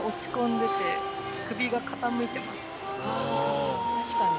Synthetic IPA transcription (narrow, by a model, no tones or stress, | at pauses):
o̞t͡ɕi̥kõ̞nd̪e̞t̪e̞ | kɯ̟bʲiɡakat̪amɯ̟it̪e̞masɨ̥ | ka